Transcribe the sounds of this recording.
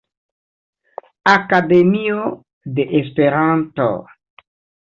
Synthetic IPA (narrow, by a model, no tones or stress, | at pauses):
akademio | de̞ʔespe̞ɾanto̰